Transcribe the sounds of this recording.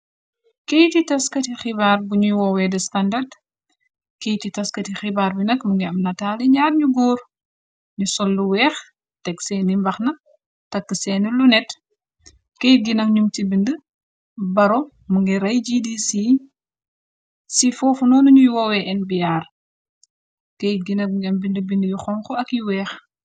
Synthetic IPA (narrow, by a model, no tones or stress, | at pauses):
kejtitɐskɐtixibaːɾbuɲujwɔwɛdɐstɐndɐrd | kejtitɐskɐtixibaːɾbinɐkmuŋɡɛɐmnɐtaːlɛɲaːɾɲuɡoːɾ | ɲusɔlːuwɛːx | tɛksɛnimbɐxnɐ | tɐkːəsɛːnəlunɛt | kejɡinɐkɲumtibində | bɐɾɔ | muŋɡɛɾɐjd͡ʒidisi | sifɔːfunɔːnuɲujuwɐwɛʔɛnbijaːɾ | kejɡinɐkɡɐmbindəbindəjuxɔŋkɔɐkjuwɛːx